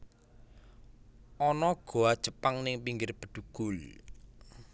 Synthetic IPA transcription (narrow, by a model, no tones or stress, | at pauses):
ʔɔnɔɡ̥o̤ad̥ʒ̥ə̤paŋnɪŋpiŋɡɪrb̥ə̤d̪̥uɡ̥ʊl